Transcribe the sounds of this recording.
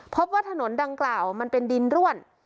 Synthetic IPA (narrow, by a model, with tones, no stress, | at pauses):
pʰo˦˥p̚waː˥˩t̪ʰa˧no˩˦nda˧ŋklaː˨˩wma˧npe˧ndi˧nɾu˥˩ən